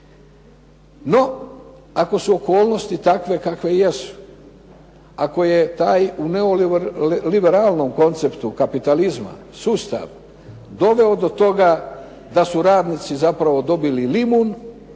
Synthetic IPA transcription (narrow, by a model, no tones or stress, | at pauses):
no̞ | ako̞suoko̞ːlˠno̞st̪it̪akʋe̞kakʋe̞jesu̥ | ako̞je̞t̪aːjuneo̞ | libeɾaːlˠno̞mko̞nt̪se̞pt̪ukapit̪alizma̰ | suːst̪a̰ʋ | d̪o̞ʋe̞od̪o̞t̪o̞ɡa | d̪asuɾaːd̪nit̪sizapɾaʋo̞d̪o̞bililimun